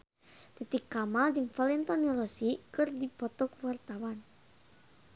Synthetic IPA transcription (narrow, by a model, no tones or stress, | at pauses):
t̪it̪ikːamald͡ʒɨŋfalɛnt̪ɔnirɔsikɨrdipɔt̪ɔkwart̪awan